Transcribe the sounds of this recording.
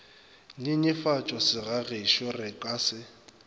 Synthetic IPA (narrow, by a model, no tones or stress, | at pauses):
ɲɪɲɪfat͡ʃʼɔsɪɣaɣɪʃɔrɪkʼaːsɪ